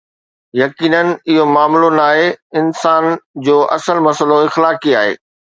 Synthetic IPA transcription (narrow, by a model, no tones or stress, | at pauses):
jɐkiːnənɪ̆ɪɦomaːmlonaːɦeɪnsaːnd͡ʑoːʔɐ̰səlmɐsəloɪxlaːkiaːɦḛː